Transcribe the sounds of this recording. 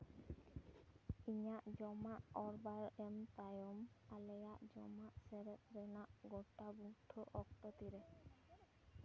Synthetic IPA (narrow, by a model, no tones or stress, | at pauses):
iɲaʔd͡ʒɔmaʔɔɹbaɹɛmt̪ajɔmalɛjaʔd͡ʒɔmaʔsɛɾɛt̪̚ɾɛnaʔɡɔʈaɡuʈʰɔʔɔk̚t̪ɔt̪iɾɛ